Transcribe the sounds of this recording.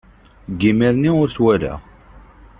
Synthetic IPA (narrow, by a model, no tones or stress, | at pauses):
ɡːimɪðniʊɾθwæla̰ʁ